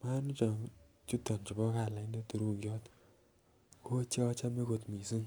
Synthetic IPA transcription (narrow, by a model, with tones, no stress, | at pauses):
ma˦nu˦t͡ʃɔ˨ | t͡ʃu˦tɔ˨nt͡ʃi˨bɔ˦ka˨la˨ɪ˦nde˦tu˨ɾu˦ŋɡjɔ˦t | ko˦t͡ʃa˦t͡ʃa˦me˦ko˨tmi˨si˦ŋ